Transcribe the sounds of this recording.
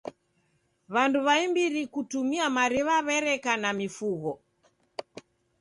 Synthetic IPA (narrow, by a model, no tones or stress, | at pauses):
βanduβaimbiɾikutumiamaɾiβaβɛɾɛkanamifuɣɔ